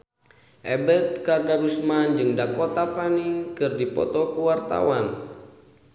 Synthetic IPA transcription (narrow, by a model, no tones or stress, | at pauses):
ʔɛbɛt̪̚kardaɾusmand͡ʒɨŋdakɔt̪afaniŋkɨrdipɔ̰t̪ɔkuwart̪a̰wan